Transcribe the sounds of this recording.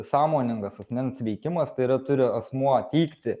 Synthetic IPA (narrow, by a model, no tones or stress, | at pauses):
sɑːmoːnʲɪŋɡɐsɐsʲmʲɛnsʋʲɛɪkʲɪmɐst̪ɐɪɪɾɐt̪ʊɾʲɪɐsmuɔt̪ʲiːkt̪ʲɪ